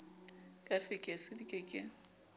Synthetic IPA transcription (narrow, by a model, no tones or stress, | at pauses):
kʼafɪkʼesɪdikʼɪkʼɪ